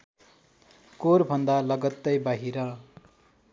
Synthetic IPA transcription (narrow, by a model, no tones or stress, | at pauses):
koɾbʱʌnd̪alʌɡʌt̪ːʌjbaɦiɾʌ